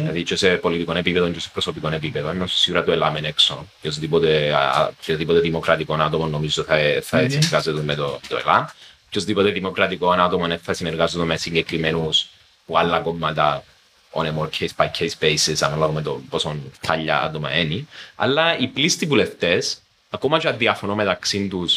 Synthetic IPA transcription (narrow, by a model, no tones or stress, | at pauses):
lɐðit͡ʃʰosepolit̪iko̞ne̞pipeðoɲcʰose̥pɾosopiko̞nep̬ipeðoenossiuɾɐt̪uelameneksojozðipot̪ḛpcʰozðipot̪eðimokɾɐt̪iko̞nat̪omonːomizoθɐθɐsineɾɣazet̪unmet̪omet̪oḛlɐ | pʰçozðipot̪eðimokɾɐt̪iko̞nat̪omoneθɐsineɾɣazot̪unmesiɲɟekɾimenus | pualːɐkomːɐt̪ɐ | o̰nemoɾcʰeispacʰːeispeisisɐnolɐɣomet̪oposontʰaʎːɐ̰a̰t̪omɐ̰eniɐ̰lːɐiplist̪ivule̞ft̪e̞s | ɐkomɐt͡ʃoɐdiɐfonome̞t̪ɐksint̪us